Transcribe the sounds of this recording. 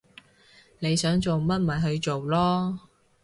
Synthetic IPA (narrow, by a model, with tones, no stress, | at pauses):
ne˨˧jsœː˨˥ŋt͡so˨wmɐ˥t̚ma˨˩ɦɵ˧ɥt͡ʃo˨wlɔː˥